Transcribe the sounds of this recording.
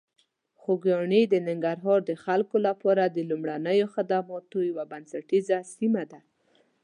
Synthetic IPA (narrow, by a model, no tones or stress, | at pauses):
xoɡɑɳid̪ənɪŋɡaɾɦɑɾd̪əxalkolapɑɾad̪əlumɽanəjoxɪd̪amɑt̪ojawabansaʈizasimad̪a